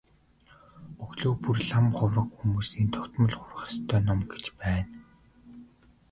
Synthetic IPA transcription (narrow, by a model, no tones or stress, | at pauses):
ɵɣɮoːpurɮamχʊwrə̆kxumuːsiːnt̪ʰɔ̥kt̪mɞ̆ɮχʊrχə̥̆st̪ʰœːnɔmɡe̥t͡ɕpæːn